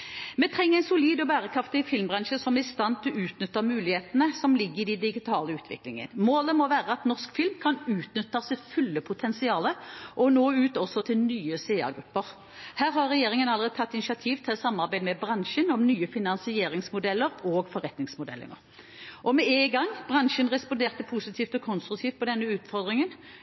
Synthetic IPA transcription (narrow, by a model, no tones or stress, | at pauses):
mɛt̪ʰʁɛŋːəʁɛɪnsʊliːd̪ɔbæːʁəkʰɾɑft̪ɪɪfɪlmbʁɑnʃəsɔmæɾɪst̪ɑnt̪ʰɔʉːt̪nʏt̪ːəmʉːlɪheːt̪ənəsɔmlɪɡːəɪd̪ɛd̪ɪɡɪt̪ʰɑːləʉːt̪ʰʋɪ̰klɪŋə̰nmoːləmɔʋæːʁəɑt̪nɔʁskfɪlmkʰɑnʉːt̪nʏt̪ːəsɛfʉlːəpʰʊt̪ʰɛnsɪɑːləʔɔnoːʉːt̪ɔsɔt̪ʰɪlnyːəseːɑ̰ʁɡɾʉpːəʁ | hæːɾhɑʁɛjeːʁɪŋənɑləʁeːd̪ət̪ʰɑt̪ːɪnɪʃɑt̪ʰiːʋt̪ʰɪlɔsɑmːɑʁbæɪd̪mɛbʁɑnʃənɔmnyːəfɪnɑnsɪeːɾɪŋsmʊd̪ɛlːəɾɔːɡfɔʁɛt̪nɪŋsmʊd̪ɛ̰lːə̰ə | ʔɔmɛeɪɡɑŋb̥ʁɑnʃənʁɛspɔnd̪eːʁt̪ːəpʰusɪt̪ʰiːft̪ɔkʰɔnst̪ɾʉk̚t̪ʰiːft̪̚pʰɔd̪ɛnːəʉːt̪fɔʁd̪ɾʁɪŋən